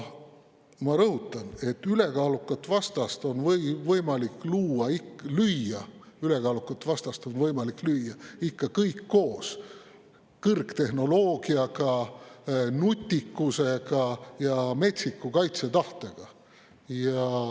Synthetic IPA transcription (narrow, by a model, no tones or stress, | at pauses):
mɑɾɤɦut̪ːˑɑne̞t̪ːˑyle̞kɑːlukːˑɑt̪ːvɑst̪ɑst̪o̞nvɤvɤjmɑlikːluːɑiklyjːɑ | yle̞kɑːlukːˑɑt̪ːvɑst̪ɑst̪onvɤjmɑliklyjːɑikːɑkɤjkːo̞ːs | kɤrkt̪e̞hno̞loːɡ̥iɑɡɑ | nut̪ʲːikːˑuse̞ɡɑjɑme̞t̪sikːˑukɑjt̪se̞t̪ɑht̪e̞ɡ̥ɑ | jɑ